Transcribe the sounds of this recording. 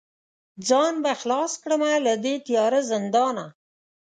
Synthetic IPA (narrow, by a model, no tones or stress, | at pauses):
d͡zɑnbaxlɑskɽəmalad̪et̪ijɑɾazɪnd̪ɑna